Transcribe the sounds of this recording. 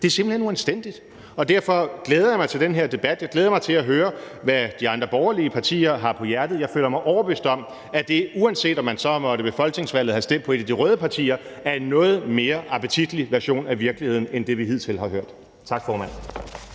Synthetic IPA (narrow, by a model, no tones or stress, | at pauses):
d̥e̝æɐse̝mb̥l̩he̝nuænsd̥en̰d̥id̥ | ɒ̽d̥æɐfɒ̽ɡ̥leːð̞ˠɐjɑ̈mɑɪt͡sʰe̝ld̥enɦeɐd̥e̝b̥æd̥jɑ̈ɪɡ̥eːðˠɐmɑ̈ɪt͡sʰe̝læɦøːɐ | ʋæd̥iɑ̈nd̥ʁɐb̥ɒʊɐliəpʰɑ̈t͡sʰḭːɐɦɑ̈pʰɒ̽jæɐd̥ð̩ˠjɑ̈ɪfø̰ːlɐmɑ̈ɪʔɒʊɐb̥øsd̥ɒ̽m | æd̥e̝uænse̝̰ːd̥ɒ̽mːænsɒ̽mɒ̽ɾəb̥e̝fɒ̽lɡ̥ne̝ŋsʋæl̰ð̩ˠhæsd̥en̰̥̚pʰɒ̽e̝d̥æd̥iʁœːðˠəpʰɑ̈t͡sʰḭːɐ | æɐenːɔ̽ːð̞̩ˠme̝ːɐʔɑ̈pʰət͡sʰid̥liʋæɐɕo̝̰ːnæʋiɐɡ̥lihe̝ð̰ˠn̩end̥e̝ʋiɦið̞̰ˠt͡sʰe̝lhɑ̈ɦøɐ̰d̥ | t͡sʰɑ̈ɡ̥fɒːmæn̰n